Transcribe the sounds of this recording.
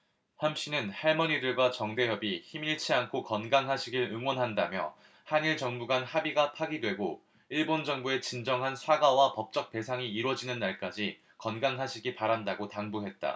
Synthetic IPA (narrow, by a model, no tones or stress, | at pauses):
hamɕ͈ʰinɯnhaɭmʌɲidɯɭɡwat͡ɕʌŋde̞ɦjʌbiçimiɭt͡ɕʰiankʰokʌnɡaŋɦaɕʰiɡiɭɯŋwʌnɦandamjʌ̰ | haniɭt͡ɕʌŋbuɡanhabiɡapʰaɡidwe̞ɡo | iɭbond͡ʑʌŋbue̞t͡ɕind͡ʑʌŋɦansʰwaɡawapʌp̚t͡ɕ͈ʌk̚p͈e̞sʰaŋiːɾwʌd͡ʑinɯnːaɭk͈ad͡ʑi | kʌnɡaŋɦaɕʰiɡipaɾandaɡotaŋbuɦe̞t̚t͈a̰